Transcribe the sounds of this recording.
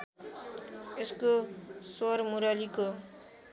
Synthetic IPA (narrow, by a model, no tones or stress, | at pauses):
eskosoɾmuɾaliko